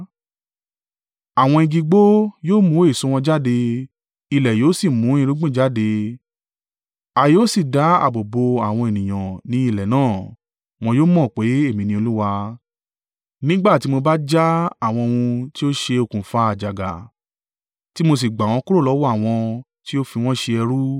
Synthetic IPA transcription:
a˨w̃ɔ̃˧i˧ɡi˧ɡ͡bo˦joː˦mũ˨˦e˦˨sũ˧w̃ɔ̃˧d͡ʒa˦˨de˧ | i˨lɛ˨joː˨˦si˦˨mũ˨˦ĩ˦˧ɾu˦ɡ͡bũ˦˨d͡ʒa˦˨de˧ | a˧joː˦si˦˨da˨˦a̰˨bo˨bo˧a˨w̃ɔ̃˧e˨nĩ˨j̃ã˨nĩ˨˦i˦˨lɛ˨nãː˦˨ | w̃ɔ̃˧joː˦mɔ̃˦˨k͡pe˨˦e˦˨mĩ˨˧nĩ˧o˧lu˦wa˧ | nĩ˦ɡ͡ba˦˨ti˨˦mo˧ba˦d͡ʒa˦a˦˨w̃ɔ̃˧wũ˧ti˦o˦ʃe˧o˨kũ˨fa˦a˨d͡ʒa˨ɡa̰˨ | ti˦mo˧s̬i˨ɡ͡ba˨w̃ɔ̃˧˦ku˦o˦˨lɔ˨˦wɔ˦a˦˨w̃ɔ̃˧ | ti˦o˦fi˧w̃ɔ̃˦ʃe˧ɛ˧ɾu˦

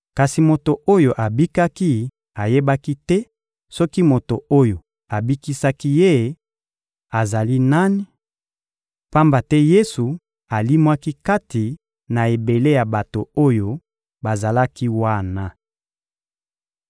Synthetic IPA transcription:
ka˨si˨mo˨to˨ʔo˦jo˨ʔa˨bi˦ka˦ki˦ | a˨je˦ba˦ki˦tɛ˦ | sɔ˦ki˦mo˨to˨o˦jo˨ | a˨bi˦ki˦sa˦ki˦je˦˨ | a˨za˨li˦na˦ni˦ | pa˦mba˨tɛ˦je˦su˨ | a˨li˦mwa˦ki˦ka˦ti˨ | na˨e˨be˨le˦ja˨ba˨to˨o˦jo˨ | ba˨za˨la˦ki˦wa˦˨na˨

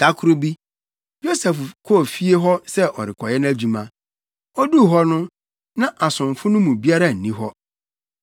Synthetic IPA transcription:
tʰa˦kʰʊ˦ɾʊ˦bi˦ | jo˦sɛ˨fkʰo˦˨fi˦e˦ɦɔ˦sɛ˦ʔɔ˨ɾɪ˨kʰɔ˨jɛ˦ñ˦æ˦d͡ʑu˨mã˨ | ɔ˦du˦˨ɦɔ˦nʊ̃˦ | nã˦ʔa˨sʊ̃˨m˨fʊ˦nʊ̃˦mũ˨bi˦a˦ɾa˨n̩˨nĩ˦ɦɔ˦

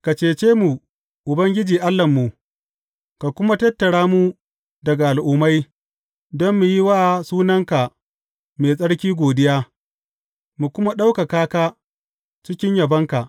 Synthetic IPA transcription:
ka˨t͡ʃeː˨t͡ʃeː˦mu˨ | ʔʊ˨bɐ˦ŋɡʲɪ˦d͡ʒiː˨ʔa˦lːɐ˨mːu˨ | ka˨kʷʊ˦ma˦tɐ˦tːɐ˨ɽaː˦mu˦ | dɐ˨ɡa˨ʔa˨lʔʊ˦ma˦j | dɔ˦mːu˨ji˦waː˦˨suː˦nɐ˦ŋka˨ | meː˨sʼɐ˦ɽkʲiː˦ɡʷoː˨dɪ˦jaː˦ | mu˨kʷʊ˦ma˦ɗa˦wka˨kaː˦kaː˦ | t͡ʃɪ˦kʲɪ˦ɲjɐ˨bɐ˦ŋka˨ʔ

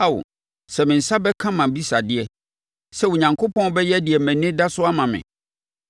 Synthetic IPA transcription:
a˦wʊ̰˨ | sɛ˨mɪ̃˨n̩˨sa˦bɛ˦kʰã˦mã˨bi˦sa˨dɪ˦ɛ˦ | sɛ˦˨wʊ˨ɲã˨ŋkʰo˦pʰɔ̃˦n˦bɛ˦jɛ˦dɪ˨ɛ˨mæ̃˨nɪ̃˦da˦sʊ˦a˦mã˨mɪ̰̃˨

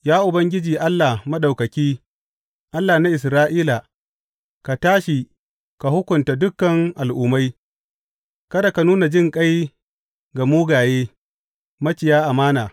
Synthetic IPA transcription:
jaː˦ʔʊ˨bɐ˦ŋɡʲɪ˦d͡ʒiː˨ʔa˦lːa˨hmɐ˦ɗa˨wkɐ˨kʲiː˦ | ʔa˦lːa˨na˦ʔɪ˨s̬ɾaː˦ʔiː˦la˨ | ka˨taː˦ʃi˨ | ka˨hʊ˦kʷʊ˨nta˨dʊ˦kːɐ˨ŋʔa˨lʔʊ˨ma˦j | kɐ˦da˨ka˨nuː˦na˨d͡ʒɪ˦ŋkʼa˦j | ɡa˨muː˦ɡaː˨jeː˦ | mɐ˦t͡ʃɪ˨jaː˦ʔa˨maː˦naː˨

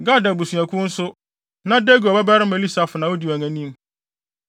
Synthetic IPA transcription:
ɡa˦˨da˨bu˨su˨æ̃˨kʰʊ̃˦n̩˦sʊ˦ | nã˦de˦ɡu˨ɔ˨bɛ˦ba˦ɾɪ˦mɛ˨li˦sa˨fʊ˨nã˨wɔ˦di˨æ˨ŋæ̃˨nĩ˦m

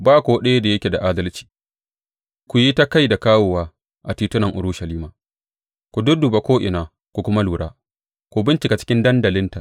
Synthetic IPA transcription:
baː˦˨kʷu˨wɗe˦je˦da˨jɐ˦kʲe˨da˨ʔaː˦dɐ˦lt͡ʃi̥ː˨ | kʷu˨ji˦ta˦ka˦jda˨kaː˦woː˨waː˦ | ʔa˨tiː˦tʊ˦nɐ˨ŋʔʊ̰˨ɾʊ˦ʃɐ˨liː˦maː˨ | kʷu˨dʊ˦dʊ˨ba˦kʷoː˦ʔɪ̰˨naː˨ | kʷu˨kʷʊ˦ma˦luː˨ɽaː˦ | kʷu˨bɪ˦nt͡ʃɪ˨ka˨t͡ʃɪ̥˦kʲɪ˦ndɐ˦ndɐ˨lɪ˦nta˨

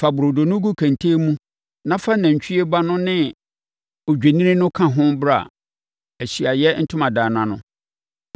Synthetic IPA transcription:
fa˨bʊ˨ɾo˨do˨nʊ̃˦ɡu˦kʰæ̃˨ntʰeː˦mũ˦ | nã˦fa˦næ̃˨ɲ˨t͡ɕʰᶣi˦e˦ba˦nʊ̃˦nɪ̃˦ | ɔ˨d͡ʑᶣe˨nĩ˦ɾɪ̃˦nʊ̃˦kʰã˦ɦʊ̃˦bɾa˨ | æ˨ɕi˨a˨jɛ˦n̩˦tʰʊ̃˦mã˨daː˨nã˨nʊ̰̃˦

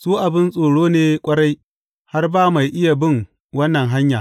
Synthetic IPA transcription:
suː˦ʔa˨bɪ˦nsʼoː˨ɽoː˦neː˦kʷʼɐ˦ɽa˦j | ha˦rbaː˦ma˨jʔɪ˦ja˨bɪ˦ŋ | wɐ˦nːɐ˨ŋɦa˦ɲjaː˨

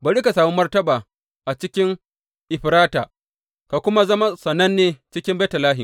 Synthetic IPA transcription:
ba˨ɽi˦ka˨saː˨mu˦mɐ˦rtɐ˦baː˨ | ʔa˨t͡ʃɪ˦kʲɪ˦ŋ | ʔɪ˨ɸɾaː˦taː˨ | ka˨kʷʊ˦ma˦zɐ˦ma˦sɐ˨nɐ˦nːeː˨t͡ʃɪ˦kʲɪ˦mbe˦tɐ˨laː˦ɦɪ˨m

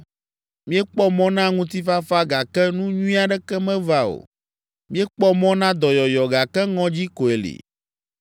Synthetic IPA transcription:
mĩ˦ɛ˦k͡pɔ˦mɔ̃˦nã˦ŋũ˦t̪i˦fa˦fa˦ɡa˨kɛ˦nũ˦ɲũ˦ĩ˦a˨ɖɛ˦kɛ˦mɛ̃˦va˦o̰˨ | mĩ˦ɛ˦k͡pɔ˦mɔ̃˦nã˦d̪ɔ˨jɔ˨jɔ˨ɡa˨kɛ˦ŋɔ̃˦d͡ʑi˦ko˨e˨lḭ˨

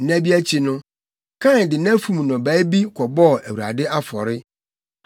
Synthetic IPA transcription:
n̩˨næ̃˦bi˦æ˦t͡ɕʰi˨nʊ̃˦ | kʰã˦˨n˨dɪ˨næ̃˦fũ˨m˨nʊ̃˨bæː˨˦bi˦kʰɔ˨bɔ˦˨æ˨wu˨a̰˨dɪ˦a˦fɔ̰˨ɾɪ˦

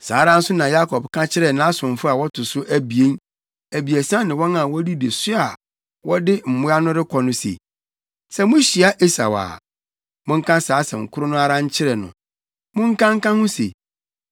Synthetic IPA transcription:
saː˨˦ɾã˦n̩˦sʊ˦nã˨ja˦kʰɔ˨bkʰã˦t͡ɕʰɪ˦ɾɛ˨nã˦a˦sʊ̃˨ɱ˨fʊ˦a˨wɔ˦tʰʊ˨sʊ˦ʔæ˨bi˨e˦n | æ˨bi˨æ˨sã˦nɪ̃˨wɔ˦nã˨wɔ˦di˦de˨sʊ˦a˨ | wɔ˦dɪ˦m̩˨mʊ̃˦a˦nʊ̃˦ɾɪ˦kʰɔ˨nʊ̃˦sḛ˨ | sɛ˨mʊ̃˦ɕi˨a˦ʔe˦sa̰˨wa̰ː˨ | mʊ̃˦ŋ̩˦kʰã˦saː˨˦sɛ̰˨ŋ̩˨kʰʊ˦ɾʊ˦nʊ̃˦a˦ɾã˦ɲ˦t͡ɕʰɪ˦ɾɛ˨nʊ̰̃˨ | mʊ̃˦ŋ̩˦kã˦ŋ̩˦kã˦hʊ̃˦sḛ˨

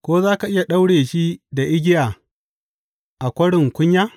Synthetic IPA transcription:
kʷoː˦zaː˦ka˨ʔɪ˦ja˨ɗa˦wɽeː˨ʃi˦da˨ʔɪ˦ɡʲɪ˦jaː˨ | ʔa˨kʷɐ˦ɽɪ˨ŋkʷʊ˦ɲjaː˦

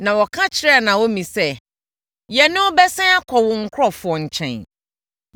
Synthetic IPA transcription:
nã˨wɔ˨kʰã˦t͡ɕʰɪ˨ɾɛ˦a˨nã˨wo˦mĩ˨sɛ˦ | jɛ˨nʊ̃˦bɛ˦sɛ̃˦a˦kʰɔ˨wʊ̃˨ŋ̩˦kʰɾɔ˦fʊ˨ɔ˨ɲ̩˨t͡ɕʰɛ̰̃˨n

